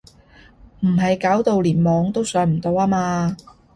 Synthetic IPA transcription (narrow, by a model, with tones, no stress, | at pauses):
m̩˨˩ɦɐ˨jkaː˨˥wt̪o˨˧wliː˨˩nmɔː˨˧ŋt̪o˥wsœː˨˧ŋm̩˨˩t̪o˧waː˥maː˧